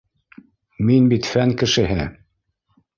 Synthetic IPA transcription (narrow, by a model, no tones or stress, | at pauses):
minbit̪fæŋkɘ̆ʃɘ̆ɦɘ